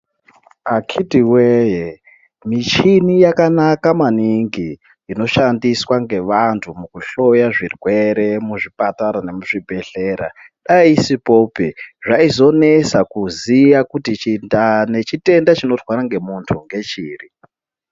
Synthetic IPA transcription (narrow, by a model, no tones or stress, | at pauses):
akʰitiweje | mit͡ʃinijakanakamaniŋɡiː | no̞ʃandiswaŋɡe̞ʋantʰumukuɬo̞jaʐirwe̞ɾe̞muʐipataɾane̞muʐibʱe̞ɬeːɾa̰ | ɗaisipo̞ːpeʐaizo̞ne̞sakuzijakutit͡ʃindane̞t͡ʃite̞ndat͡ʃino̞twaɾaŋɡe̞muntʰuŋɡe̞t͡ʃiːri